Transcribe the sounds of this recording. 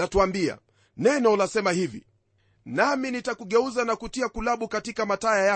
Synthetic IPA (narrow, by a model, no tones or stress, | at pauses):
atuambia̰ | nɛnɔlasɛmahivḭ | naminitakuɠɛuzanakutiakulaɓukatikamatajaja